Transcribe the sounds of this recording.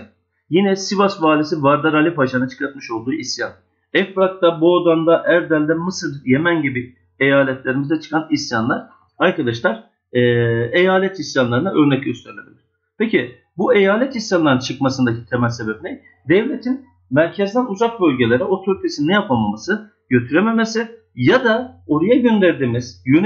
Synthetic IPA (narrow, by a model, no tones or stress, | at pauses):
jinɛsivasvaːlʲisivaɾd̪aɾalʲipaʃanat͡ʃʰɯ̥klˠaɾt̪mɯʃo̞lˠd̪uːʔisjan | ɛfɾak̚t̪aboːd̪and̪aʔæɾd̪ælʲd̪ɛmɯsɯɾje̞mænɟibi | ejaːlʲɛt̪ʰlʲe̞ɾimizɛt͡ʃʰɯ̥kʰanisjanlˠaɾ̥ | aɾkad̪aʃlˠaɾ̥ | ɛːe̞jaːlʲɛt̪ʰisjanlˠaɾɯnaʔø̞ɾnɛcɟøst̪ʰɛɾlʲebilʲɾ̥ | pʰeci | bue̞jaːlʲɛt̪ʰisjanlˠaɾnt͡ʃʰɯkmasɯnd̪acʰit̪ʰemælʲse̞bebinʲɛ | d̪ɛvlʲet̪ʰin | mæɾcʰɛzd̪ænuzak̚bø̞lʲɟe̞lʲe̞ɾɛo̞t̪ʰøɾit̪ʰesinnːɛjapamamasɯ | ɟø̞t̪ʰyɾeme̞me̞sɪ | jad̪ao̞ɾajaɟø̞nd̪æɾd̪iːmiz̥jøn